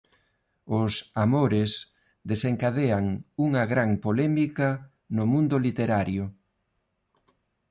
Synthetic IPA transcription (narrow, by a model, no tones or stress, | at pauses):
ʊsamoɾes | d̪eseŋkað̞eaŋuŋɐɣɾaŋpolɛmikɐ | nʊmũnd̪ʊlit̪eɾaɾjʊ